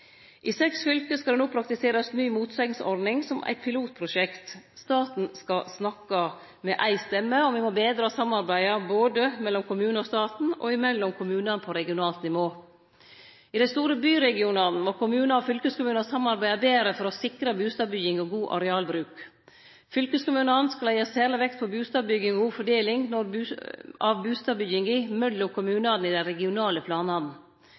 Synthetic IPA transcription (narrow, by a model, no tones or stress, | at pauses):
ʔɪsɛksfʏlkəskɑd̪ɛnuːpʰɾɑk̚t̪ɪseːɾɑsnyːmuːt̪sɛŋsɔ̰ɾd̪nɪŋsɔmʔæ̰ɪt̪̚pʰɪluːt̪̚pʰɾʊʃɛkt̪st̪ɑːt̪n̩skɑsnɑkːɑ | mɛʔæɪst̪ɛmːəɔmʋɪmɔbeːd̪ɾɑːsɑmːɑɾbæɪɑboːd̪əmɛlːɔmkʰʊmʉːnəɔst̪ɑːt̪n̩ɔ̰ɪmɛlːɔmkʰʊmʉːnɑnəpʰɔɾɛɡɪʊnɑːlt̪nɪʋoː | ɪd̪ɛst̪uːɾəbyːɾɛɡɪunɑn̩mokʰʊmʉːnɑɔfʏlkəskʊmʉːnɑsɑmːɑɾbæɪɑbeːɾəfɔɾɔsɪkɾɑbʉːst̪ɑːbʏjɪŋɔɡuːʔɑ̰ɾɛɑːlbɾʉːk | fʏlkəskʊmʉːnɑnskɑlɑjeːseːləʋɛkt̪pʰɔbʉːst̪ɑːbʏɡɪŋɔɡuːfɔɖeːlɪŋnɔɾ | ɑʋbʉːst̪ɑːbʏjɪŋɪmœllɔkʰʊmʉːnɑn̩ɪd̪ɛɾɛɡɪʊnɑːləpʰlɑːnɑd̪nn̩